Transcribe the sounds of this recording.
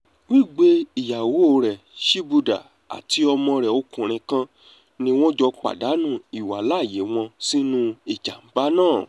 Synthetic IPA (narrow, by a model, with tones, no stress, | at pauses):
wi˦˨ɡ͡be˧i˨ja˨wo˨˦o˧ɾɛ˨ | ʃi˦bu˧da̰˨ | a̰˨ti˨˦ɔ˧mɔ̃˧ɾɛ˨o˧˦kũ˨ɾ̃ĩ˧kã˦ | nĩ˧w̃ɔ̃˦d͡ʒɔ˧k͡pa̰˨da˨˦nũ˦˨i˨wa˨˦la˦˨je˨˦w̃ɔ̃˧si˦nũ˧i˨d͡ʒa˨m̩˨˦ba˦nãː˦˨